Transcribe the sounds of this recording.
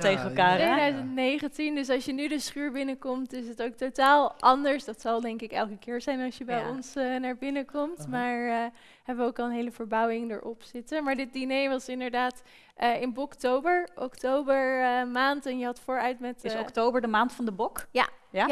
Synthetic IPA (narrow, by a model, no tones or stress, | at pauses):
tejχəɛlˠkaːejdœɥzəntnejχəntindøs̬ɑlsjənydəsχyːɹbɪnəkɔmtɪs̬ətowk̚totaːlˠʔɑndəɹsdɑtsɑlˠdɛŋkɪkɛ̰lˠkəkɪːɹzɛjnɑsjəbɛjɔnsənaːɹbɪnəkɔmtmaːɹ | ɦɛbəʋəowkɑlˠənɦejləvəɹbɑwɪŋdə̰ɹʔɔpsɪtənmaːɹdɪt̚dinejʋɑsɪndəɹdaːt | ʔəɪnbɔktowbəɹʔɔktowbəɹmaːntɛnjəɦɑtfʊːɹœɥtmɛtɔktowbəɹdəmaːntfɑndəbɔkja̰ja